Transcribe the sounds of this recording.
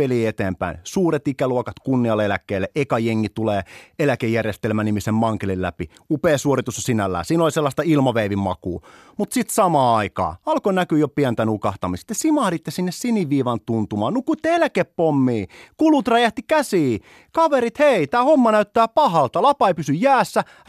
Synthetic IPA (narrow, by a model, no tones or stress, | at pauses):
eliːet̪eːmpæ̰insuːret̪ikæluokɑt̪kunːiɑlːelækːˑeːlːeʔekɑjeŋːit̪uleːelækejːærjest̪elmænimisemmɑŋkelillæpi | upeːsuorit̪usɑsinælːæ̰ːsiːnolʲselːɑst̪ɑilmɑʋeiʋimmɑ̰kuː | mut̪sit̪sɑmɑːɑikɑ̰ːɑlkonækyjopiænt̪ænukɑht̪ɑmist̪esimɑhlit̪ːesinːessiniʋʋːiːʋɑnt̪unt̪umɑːnukuit̪ːeelækeppomːiːkulut̪rɑjæht̪ikæsiː | kɑʋeɾit̪heit̪æːhomːɑnæyt̪ːæːpɑhɑlt̪ɑlɑpɑeipysyjjæːsːæ